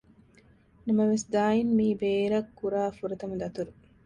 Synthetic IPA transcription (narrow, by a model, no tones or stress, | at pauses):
nɐmɐʋesd̪aːjinmiːbeːɾɐkːuɾaːfuɾɐt̪ɐmɐd̪ɐt̪uɾu